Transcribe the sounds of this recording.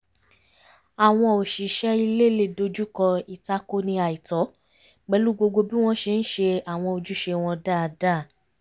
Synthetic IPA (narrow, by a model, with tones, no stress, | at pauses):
a˨w̃ɔ̃˧o˨ʃi˨ʃɛ˦i˧le˦le˦˨do˧d͡ʒu˦kɔ˧i˨ta˦ko˦nĩ˧a˨i˨tɔ˨˦ | ɡ͡bɛ˨˦lu˦ɡ͡bo˧ɡ͡bo˧bi˦w̃ɔ̃˦ʃe˧n̩˦ʃe˧a˨w̃ɔ̃˧o˧d͡ʒu˦ʃe˧w̃ɔ̃˧da˦˧da˦˨